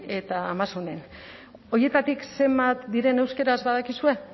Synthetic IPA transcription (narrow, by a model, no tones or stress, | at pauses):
e̞t̪aːmasune̞n | o̞je̞t̪at̪ikse̞mbat̪d̪iɾe̞ne̞wske̞ɾazβaðakisue̞